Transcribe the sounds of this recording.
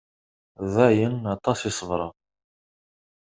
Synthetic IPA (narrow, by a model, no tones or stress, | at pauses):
ðæjənɑt̪ˤɑsɪsˤəvɾˤɑ